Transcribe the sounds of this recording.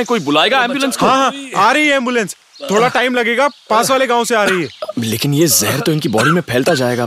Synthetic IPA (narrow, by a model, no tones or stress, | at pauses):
ẽkoːibʊlaːeːɡaɛ̃ːmbjʊlə̃nskɦãːɦãːaːɾɐɦiɦɛ̃ːmbjʊlɛ̃ns | t̪ʰoːɽaʈaːɪmlɐɡeːɡapaːsʋaːleɡãːõseaːɾɐɦiɦɛːleːkɪnjezɐɦɛɾt̪oɪnkibɔːɖimẽpʰɛːlt̪ad͡ʒaːeːɡaː